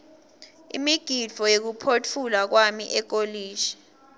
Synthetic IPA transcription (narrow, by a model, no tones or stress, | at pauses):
ḭmiɡ̥ʱi̥v̥ʱɔjek̬upʰotʰulak̬wamiʔɛk̬oliːʒ̥i̥